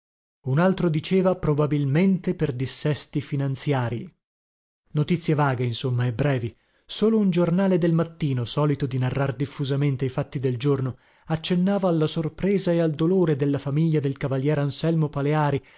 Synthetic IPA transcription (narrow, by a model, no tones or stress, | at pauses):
unalt̪ɾod̪it͡ʃeːvapɾobabilment̪eperd̪isːɛst̪ifinant̪sjaːɾi | not̪it̪sːjevaːɡeinsomːaebːɾɛːvi | soːlound͡ʒornaːled̪elmat̪ːiːnosɔːlit̪od̪inarːard̪ifːuzament̪eifat̪ːid̪eld͡ʒorno | at͡ʃːenːaːvaːlːasorpɾɛːzaeald̪oloːɾed̪elːafamiʎːad̪elkavaljɛːɾansɛlmopaleaːɾi